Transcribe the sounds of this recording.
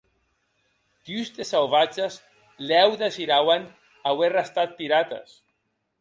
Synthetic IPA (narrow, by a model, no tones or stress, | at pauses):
k̪yzt̪esawβat͡ʃez | lɛwðeziɾawan | awerast̪at̪̚piɾat̪a̰s